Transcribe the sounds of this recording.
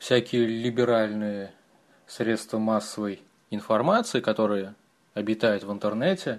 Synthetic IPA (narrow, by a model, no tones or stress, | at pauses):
fsʲækʲɪjəlʲɪbʲɪɾalʲnɨjə | sɾʲe̞t̪st̪vəmasːəvəj | ɪnfɐrmat̪sɨɪkɐt̪o̞ɾɨjə | ɐbʲɪt̪ajʊt̪vɨnt̪ərnɛtʲɪ